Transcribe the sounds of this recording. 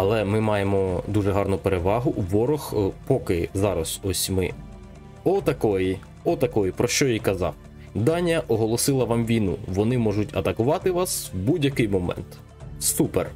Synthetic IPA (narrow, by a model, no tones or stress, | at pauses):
ɐlˠɛmɪmɑjemɔd̪uʐɛɦɑrnʊpeɾeʋɑɦʊʋɔɾɔxpɔkɪzɑɾɐsɔsʲmɪ̰ | ɔt̪ɐkɔji | ɔt̪ɐkɔjipɾɔʃt͡ʃɔjijkɐzɑ̰w | d̪ɑnʲɐʔɔɦɔlˠɔsɪlˠɐʋɑmʋʲijnṵʋɔnɪmɔʒʊtʲɐ̰t̪ɐkʊʋɑt̪ɪʋɑswbudʲjɐkɪjmɔmɛ̰nt̪ | supḛr